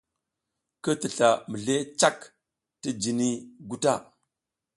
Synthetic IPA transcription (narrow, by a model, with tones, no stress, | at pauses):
kə˦tə˨ɬa˨mə˨ɮe˦t͡ʃa˦k | tə˦d͡ʒi˨ni˦ɡu˦ta˦˨